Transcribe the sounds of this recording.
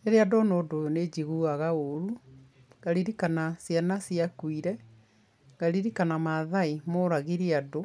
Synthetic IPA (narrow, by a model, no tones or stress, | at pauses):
eɾeadɔnoːdojoned͡ʑiɣuaɣaoɾu | ɡaɾiɾikanasjanasiakwiɾɛ | ɡaɾiɾikanamaðaimoɾaɣiɾiado